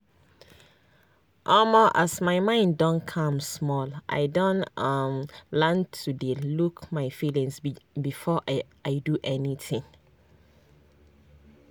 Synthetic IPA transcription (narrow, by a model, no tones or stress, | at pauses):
ʔɔmɔʔasmaɪmãɪ̃ndɔ̃nkʰãmsmɔlʔa̰ɪdõnʌmlɛntʰudelukmaɪfilĩŋsbifɔʔ | aɪduʔɛnitʰĩŋ